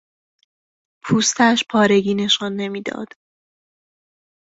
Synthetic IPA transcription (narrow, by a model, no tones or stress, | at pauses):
pʰuːst̪ʰæʃpʰɒːɾe̞ɡiːne̞ʃɒnːe̞miːd̪ɒ̰ːd̪̥